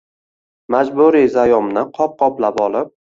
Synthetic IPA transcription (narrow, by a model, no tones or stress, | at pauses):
mad͡ʒbʊɾizajɒmnɪqʰɒp̚qɒplapɒlˠɪp̚